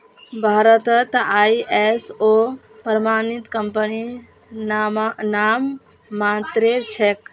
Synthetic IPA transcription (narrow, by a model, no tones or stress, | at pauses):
bʱaɾət̪ət̪ajeso | pɾmanit̪kəmpəni | namː | at̪ɾet͡ʃʰek